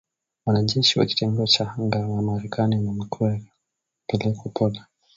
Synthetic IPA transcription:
wanad͡ʒɛʃiwa̰ki̥tɛŋɡɔt͡ʃahaŋɡawamaɾɛkʰaninam̩twɛɾa | pɛlɛkɔpʰɔla

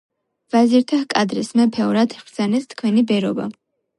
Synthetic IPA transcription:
v̥aziɾt̪ʰahkʼad̪ɾismɛpʰɛɔɾat̪ʰiχsɛnɛst̪ʰkʰwɛnibɛɾɔba̰

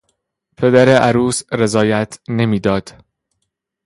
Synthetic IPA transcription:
pʰe̞d̪æɾe̞ʔæɾuːsɾe̞zɒːjæt̪ʰne̞miːd̪ɒːd̪̥

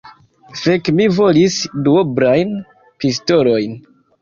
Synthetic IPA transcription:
fekmivo̞lisduobɾajn | pisto̞lo̞jn

